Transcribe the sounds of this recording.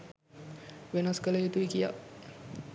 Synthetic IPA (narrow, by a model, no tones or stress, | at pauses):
ʋenaskələjet̪uʋikija̰